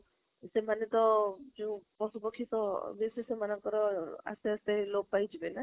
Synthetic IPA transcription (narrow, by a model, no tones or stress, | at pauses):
semanet̪ɔd͡ʒũpɔsupɔkʰːit̪ɔbesisemanaŋkɔɾɔa̰seast̪elob̚pajd͡ʒʰibena